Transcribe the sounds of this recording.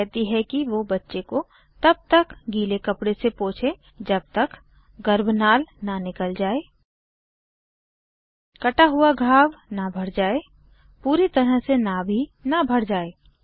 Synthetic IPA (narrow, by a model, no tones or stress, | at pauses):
ɛɦt̪iɦɛkiʋobɐtːʃeko | t̪ɐb̚t̪əkɡiːlekɐpɽesepõːt͡ʃʰe | d͡ʒɐb̚t̪ək | ɡəɾbʱnaːlnanɪkəld͡ʒaːeː | kɐʈaɦʊaɡʱaːʋnabʱɐɽd͡ʒaːe | puːɾit̪ɐɾəɦsenaːbʱinabʱɐɽd͡ʒaːeː